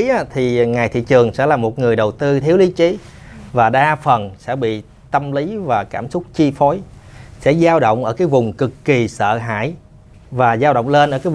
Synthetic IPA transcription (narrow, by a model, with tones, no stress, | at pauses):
a˨˦t̪ʰi˨˩ŋaː˨˩jt̪ʰḭ˧˨t͡ɕɨ˨˩əŋsɛ̰˧˥laː˨˩mo˨˩t̚ŋɨ˨˩əjɗə˨˩wt̪ɨ˧t̪ʰi˨˦əwli˨˦t͡ɕi˨˦ | vaː˨˩ɗaː˧fə˨˩nsɛ̰˧˥ɓḭ˧˨ | t̪ə˧mli˨˦vaː˨˩kaː˧˩msʊ˦˥k͡p̚t͡ɕi˧fɔ˨˦jsɛ̰˧˥zaː˧wɗo̰˧˨wŋ͡mʔəː˧˩kaː˨˦jvʊ˨˩ŋ͡mkɨ˨˩kːi˨˩sə̰ː˧˨ɦa̰ː˧˨j | vaː˨˩zaː˧wɗə̰˧˨wŋ͡mle˧nʔəː˧˩kaː˨˦